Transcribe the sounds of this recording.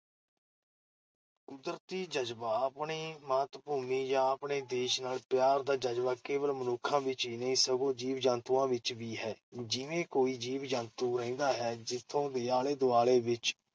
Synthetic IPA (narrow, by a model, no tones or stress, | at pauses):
kʊd̪ɾt̪iːd͡ʒəd͡ʒbaːəpɳiːmaːt̪bʱuːmiːjãːəpɳeːd̪eːʃnaːlpjaːɾd̪aːd͡ʒəd͡ʒbaːkeːʋəlmənʊkʰãːʋɪt͡ʃiːnəĩːsəɡõːd͡ʒiːʋd͡ʒãːnt̪uːãːʋɪt͡ʃʋiːɦɛːd͡ʒɪʋẽːkoːiːd͡ʒiːʋd͡ʒãːnt̪uːɾəĩːnd̪aːɦɛːd͡ʒɪt̪ʰːõːd̪eːaːleːd̪ʊaːɭeːʋɪt͡ʃ